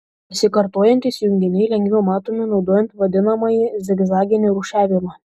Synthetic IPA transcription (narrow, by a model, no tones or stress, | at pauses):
ɪsʲɪkɐɾt̪oːjɛnt̪ʲisjʊŋʲɡʲd̪ʲɪnʲɛɪlʲɛŋʲɡʲʋʲɛʊmɑːt̪oːmʲɪnɒʊd̪oːjɛnt̪ʋɐd̪ʲɪnɐmɐjizʲɛɡzɑːɡʲɪnʲɪɾʊːʃʲæːʋʲɪmɑː